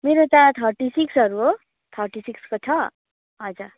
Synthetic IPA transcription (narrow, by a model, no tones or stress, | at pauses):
meɾot̪at̪ʰʌɾʈisiksɦʌɾuɦo | t̪ʰʌɾʈisikskot͡sʰʌ | ʌd͡za